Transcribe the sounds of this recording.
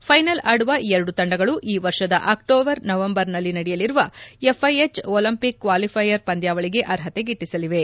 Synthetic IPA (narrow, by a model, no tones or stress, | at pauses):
pʰɐjnɐlaːɽuʋɐɛɾɐɽut̪ɐɳɖɐɡɐɭuʔiːʋɐɾʂɐd̪ɐ̰ʔaːkʈoːbɐɾnɐʋɐmbɐɾnɐlːinɐɽɛjɐliɾuʋɐepʰːɐjet͡ʃoːlɐmpikːʋaːlipʰɐjːɐɾpɐnd̪jaːʋɐɭiɡe̞ʔɐɾɦɐt̪e̞ɡiʈːisɐliʋe̞